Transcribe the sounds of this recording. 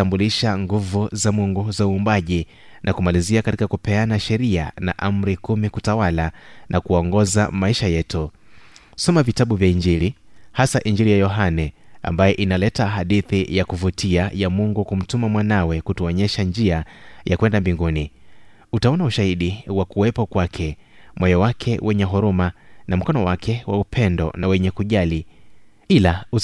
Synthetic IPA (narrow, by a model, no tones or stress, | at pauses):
ambuliʃaŋɡuvuzamuŋɡuzauːmbaʄi | nʔakumaliziakatikakupɛanaʃɛɾia̰na̰ʔam̩ɾikumikutawalanʔakuɔŋɡɔza̰maiʃajɛtu | sɔmavitaɓuvjaiɲd͡ʒilihasaʔiɲd͡ʒiɾijajɔɦanɛa̰mbajɛʔinalɛtaɦaɗiθijakuvutʰiajamuŋɡukum̩tumamwanawɛkutuɔɲɛʃand͡ʒiajakwɛndambiŋɡuni | utaɔnauʃahiɗiwakuwɛpɔkwakʰɛ | mwɛjɔwakʰɛwʔɛɲɛɦuɾumanam̩kɔnɔwakʰɛwaupʰɛndɔ̰nawɛɲɛkuʄali | ilau